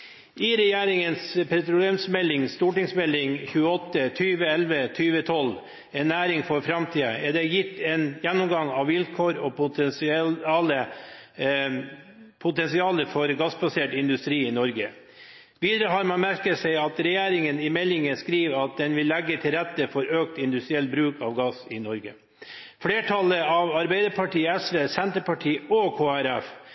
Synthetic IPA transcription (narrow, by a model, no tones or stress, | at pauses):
ʔɪɾɛjeːɾɪŋənspʰɛt̪ɾʊleːmsmɛlːɪŋst̪uːʈɪŋsmɛlːɪŋçʉːəɔt̪ːət̪ʰyːʋəɛlʋət̪ʰyːʋət̪ʰɔl | ɛnːæːɾɪŋfɔɾfɾɑmt̪ʰiːəɛɖɛjɪt̪ːɛnjɛnːɔmɡɑŋɑʋʋɪlkʰoːɾɔp | lə | pʰʊt̪ɛnsɪɑːləfɔɾɡɑsbɑseːʈɪnd̪ʉst̪ɾiːɪnɔɾɡə | ʋiːd̪əɾəɦɑːɾmɑnmæɾkəsɛɪɑt̪ɾɛjeːɾɪŋənɪmɛlːɪŋəskɾiːʋɑt̪̚d̪ɛnʋɪlːɛɡːət̪ʰɪlɾɛt̪ːəfɔɾøːk̚t̪ɪnd̪ʉst̪ɾɪɛlt̪̚bɾʉːkɑːʋɡɑsɪnɔɾɡə | fleːʈʰɑləɑʋɑɾbæɪd̪əɾpʰɑʈiːɛsʋeːsɛnt̪əpɑʈʰiːɔkʰoːæɾɛf